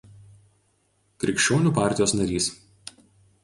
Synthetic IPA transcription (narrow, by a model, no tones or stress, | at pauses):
kɾʲɪkʃʲt͡ʃʲoːnʲuːpɑˑɾʲt̪ʲɪjoːsnɐɾʲiːs